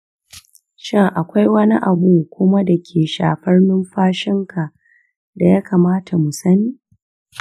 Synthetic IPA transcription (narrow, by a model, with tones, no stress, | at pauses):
ʃɪ˦ŋʔa˨kʷa˦jwɐ˦ni˦ʔa˨bu˦kʷʊ˦ma˦da˨kʲʰeː˨ʃa̰ː˨ɸɐ˦rnɪ˦mɸaː˦ʃɪ˦ŋkʰa˨ʔ | da˨ja˦kʰa˨maː˦tʰa˨mu˨sɐ˦niː˦